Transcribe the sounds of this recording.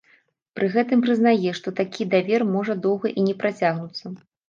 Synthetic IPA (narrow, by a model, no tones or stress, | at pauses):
pɾɨɣɛt̪ɨmpɾɨznajɛʂt̪ɔt̪akʲid̪avʲɛrmɔʐɐd̪ɔwɣɐʔinʲɛpɾat͡sʲaɣnut̪sːɐ